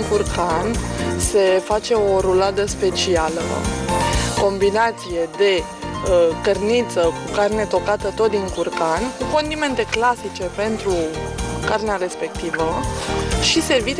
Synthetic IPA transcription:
ŋkurkanse̞fat͡ʃe̞o̞ɾulad̪əspe̞t͡ʃialə̰ | ko̞mbinat̪sije̞d̪e̞ | əkərnit̪səkukarne̞t̪o̞kat̪ət̪o̞t̪̚d̪iŋkurkanʲkuko̞nd̪ime̞nt̪e̞klasit͡ʃe̞pe̞nt̪ɾukarneaɾe̞spe̞k̚t̪ivə | ʃise̞rvit̪

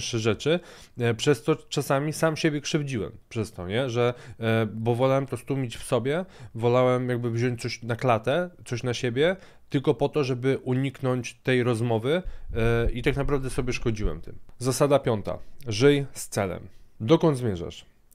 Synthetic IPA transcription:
ʂɛʐɛt͡ʂɘ | pʂɛst̪ɔt͡ʂasamʲisamɕebʲjɛkʂɘvd͡ʑiwɛ̰mpʂɛst̪ɔɲɛʐɛ | bɔvɔlawɛmt̪ɔst̪umʲit͡ɕfsɔbʲjɛvɔlawɛmjaɡ̚bɘvʑɔɲt͡ɕ̚ʲtsɔɕnaklat̪ɛt̪sɔɕnaɕebʲjɛ | t̪ɘlkɔpɔt̪ɔʐɛbɘʔuɲiknɔɲt͡ɕt̪ɛjɾɔzmɔvɘ | it̪aknapɾavd̪ɛsɔbʲjɛʂkɔd͡ʑiwɛ̰mt̪ɘ̰mzasad̪apʲjɔnt̪a̰ʐɘjst̪sɛlɛ̰md̪ɔkɔnd̪zmjɛʐɛ̰ʂ

